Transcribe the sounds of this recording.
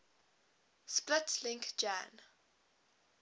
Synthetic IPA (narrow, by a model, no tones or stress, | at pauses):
splɪtʰlɪ̃ŋkd͡ʒã̰n